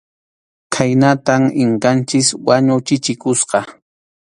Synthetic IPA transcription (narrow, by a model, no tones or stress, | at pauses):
kʰajnat̪aŋɪɴkant͡ʃɪswaɲʊwt͡ʃɪt͡ʃɪkʊsqɑ